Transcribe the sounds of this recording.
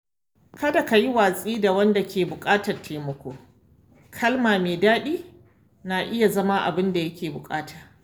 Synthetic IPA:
kɐ˦da˨ka˨ji˦waː˨sʼiː˦da˨wɐ˦nda˨kʲʰeː˨bʊ˨kʼaː˦tɐ˨rteː˨mɔ˦kʷoː˦ | kʰɐ˦lmaː˨meː˨daː˦ɗiː˦ | naː˨ʔɪ˦ja˨zɐ˦ma˦ʔa̰˨bɪ˦nda˨jɐ˦kʲeː˨bʊ˨kʼaː˦taː˨

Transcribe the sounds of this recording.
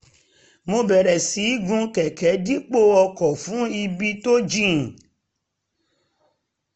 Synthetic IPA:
mõ˧bɛ˨ɾɛ˨si˨˦ɡũ˧˦kɛ˨kɛ˨˦di˦k͡po˦ɔ˧kɔ˨fũ˨˦i˧bi˦to˦d͡ʒĩ˦˨

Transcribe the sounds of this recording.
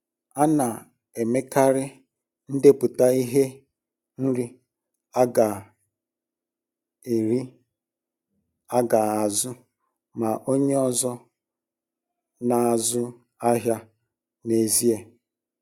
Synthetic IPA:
a˦na˨ | e˨me˦ka˦ɾɪ˦ | n̩˦de˦pʊ˨ta˦i˦ɦe˦ | n̩˦ɾi˦ | a˦ɡa˨ | e˨ɾi˦ | a˦ɡa˨a˨zʊ˦ | ma˨ʔo˦ɲe˦ɔ˦zɔ˦ | na˨a˨zʊ˦ | a˦ɦja˦ | ne˨zi˦e˨

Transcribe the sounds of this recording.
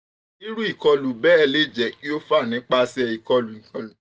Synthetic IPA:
i˦ɾu˦i˦˨kɔ˧lu˨bɛː˦ɛ˧le˦˨d͡ʒɛ˨ki˦o˦fa˦˨nĩ˨˦k͡pa˦˧sɛ˧i˨kɔ˧lu˨kã˨

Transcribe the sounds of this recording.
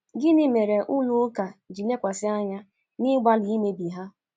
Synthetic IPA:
ɡɪ˦nɪ˦me˨ɾe˨ʔu˦nu˦ka˨d͡ʒi˨ne˦kʷa˨sɪ˦a˦ɲa˦ | nɪ˦ɡ͡ba˦li˨i˦me˦bi˨ɦa˦

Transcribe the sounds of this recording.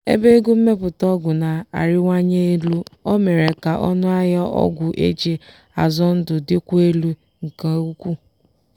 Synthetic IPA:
ḛ˦be˦ɡu˦m̩˦me˦pʊ˨tɔ˦ɡʷʊ˨na˨a̰˨ɾɪ˦ŋʷa˦ɲe˦e˦lu˦ɔ˦me˨ɾe˨ka˨ʔɔ˦nʊ˦a˦ja˦ʔɔ̰˦ɡʷʊ˨ʔḛ˦d͡ʒe˦ | a̰˨zɔ˦n̩˦dʊ˨dɪ˦kʷe˦lu˦ | ŋ̩˨ka˨˦u˦kʷu˦

